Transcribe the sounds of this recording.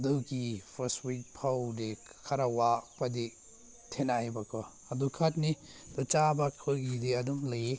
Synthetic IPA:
duɡipʰɐstwik̚pʰawdi | kʰɐɾawak̚pɐdi | tʰenajbɐkʰɔ | ɐdukʰat̚ni | dɔt͡ʃabakʰːoɡidiɐdumle

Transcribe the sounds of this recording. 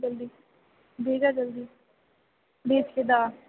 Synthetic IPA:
d͡ʒəld̪iː | beːɡaːd͡ʒəld̪iː | beːt͡ʃked̪aː

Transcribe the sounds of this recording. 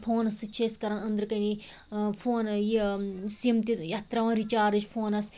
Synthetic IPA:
pʰoːnɐsɨt͡ʃʰeskɐɾɐnɐnd̪ɾɨkɐni | fʰoːnjesimt̪ʲijat̪ɾɐʋãɾit͡ʃaːɾɨt͡ʃpʰoːnɐs

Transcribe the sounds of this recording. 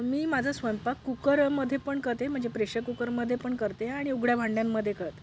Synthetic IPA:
miːmad͡zʱəsʋəjmpakːukəɾməd̪ʱjepəɳkəɾt̪em̤əɳd͡zepɾeɕəkukəɾməd̪ʱːjepəɳkəɾt̪eaɽ̃iuɡɽjabʱãɳɖjamːəd̪ʱːjekəɾt̪

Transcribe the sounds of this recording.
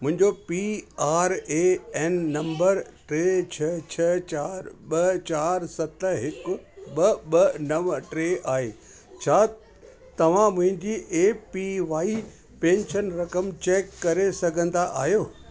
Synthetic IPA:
mʊ̃ɦɪ̃ɲd͡ʑopiaːɾeːɛːnːɐ̃mbəɾʈɾeːt͡ɕʰɐt͡ɕʰɐt͡ɕaːɾɓɐt͡ɕaːɾsɐt̪ɦɪkʊ̆ɓɐɓɐnɐʋʈɾeːʔaːɦeː | t͡ɕʰaː | t̪ɐʋ̤ãmʊ̃ɦɪ̃ɲd͡ʑiʔeːpiʋaːi | pẽːɲʃənɾɐkəmt͡ɕeːkːɐɾesɐɡʱə̃nd̪aʔaːɦjoː

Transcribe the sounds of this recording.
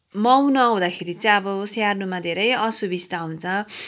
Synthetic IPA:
mʌwnʌaw̃d̪akʰeɾit͡sʌ̃ʌbʌsarnumad̪ʱeɾʌjʌsubist̪aɦunt͡sʰʌ

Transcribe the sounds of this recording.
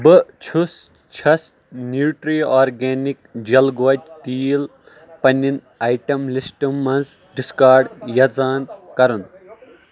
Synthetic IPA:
bɨt͡ʃʰus | t͡ʃʰɐs | njuːʈɾiːaːɾɡeːnikd͡ʒɐlɡɐd͡ʒt̪iːl | pɐnʲin | aːjʈɐmlisʈɐmːɐnz | ɖiskaːɾɖjɐd͡zaːnkɐɾun

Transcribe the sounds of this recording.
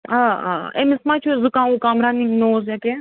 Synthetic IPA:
aːa̰ːḛmismãːt͡ʃʰuzukãːũkaːmɾaːniŋɡnoːzjake

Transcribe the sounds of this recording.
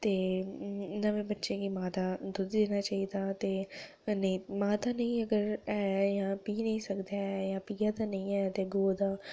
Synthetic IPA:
t̪eː | nəʋẽːbətːʃeːkiːmaːt̪aːd̪ʊd̪d̪eːnaːt͡ʃaːiːd̪aːt̪eː | nəĩːmaːt̪aːnə̃ĩːəɡəɾɛːjãːpiːnə̃ĩːsəkd̪aːɛːjãːpiːaːd̪aːnəĩːɛːt̪eːɡoːd̪aː

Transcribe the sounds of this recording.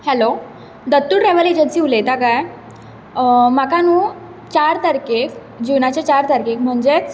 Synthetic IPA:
hɛlo | d̪ət̪ːuːɽɾɛʋəled͡ʑənsiulet̪akaj | makanũː | t͡ɕaɾt̪əɾkek | d͡ʑunat͡ɕet͡ɕaɾt̪əɾkekm̤əɳd͡ʑe

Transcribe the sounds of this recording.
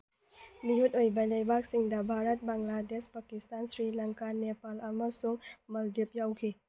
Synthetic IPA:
mijutojbɐlɐjbʱak̚siŋdɐbʱaɾɐt̚baŋladespɐkistansɾilɐŋkanepalɐmɐsuŋmɐldip̚jawkʰi

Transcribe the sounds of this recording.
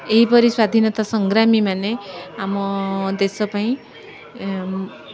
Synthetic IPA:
eɦipɔɾiswad̪ʱinɔt̪asɔŋɡɾamimaneamɔd̪esɔpaĩ

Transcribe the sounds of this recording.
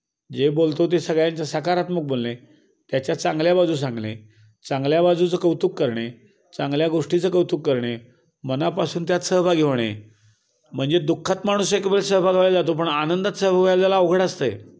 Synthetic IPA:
d͡ʑebolt̪ot̪̬esəɡɭjãɲt͡ɕjasəkaɾat̪mək̚bolne | t̪jat͡ɕjat͡sãŋɡljabad͡zʱuːs̬ãŋɡlḛ | t͡sãŋɡljabad͡zʱut͡səkəwt̪uːkːəɾɳe | t͡sãŋɡljaɡoʂʈit͡səkəwt̪uːkːəɾɳe | mənapasuːnt̪jat̪səɦbʱaɡʱeʋɳ̃ḛ | m̤əɳd͡zed̪ukʰːat̪maɽ̃usekebɾelsəɦbʱaɡʱeʋled͡zat̪̬op̬əɳanənd̪at̪səɦbʱaʋjad͡zalaoɡʱəɽəst̪ə̰j

